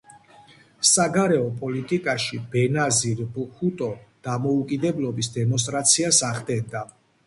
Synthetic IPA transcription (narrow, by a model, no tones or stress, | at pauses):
saɡaɾɛɔpʼɔlit̪ʼikʼaʃibɛnaziɾbhut̪ʼɔd̪̥amɔukʼid̪ɛblɔbisd̪ɛmɔns̬t̪ʼɾat̪sʰiasaʁd̪ɛnd̪a